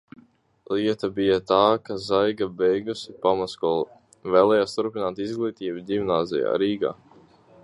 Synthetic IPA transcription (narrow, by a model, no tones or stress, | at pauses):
liɛt̪abijat̪aːkazajɡabɛjɡusipamaskɔlˠ | vɛːlˠɛːjaːst̪uɾpinaːt̪izɡlˠiːt̪iːbud̪ʲimnaːzɛ̰ja̰ːɾiːɡa̰ː